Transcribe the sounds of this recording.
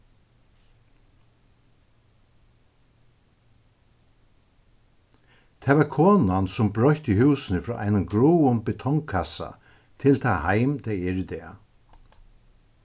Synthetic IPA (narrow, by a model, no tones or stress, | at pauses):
t̪ʰɛːʋaɾkʰoːnansʊmbɾɔjht̪ihuwsɪnɪfɾɔ̰ːʔa̰jnanɡɾuwʊnbɪt̪ʰɔŋkʰasa̰ | t̪ʰɪlt̪ʰaːhajmd̪ɛːɛɹɪd̪ɛː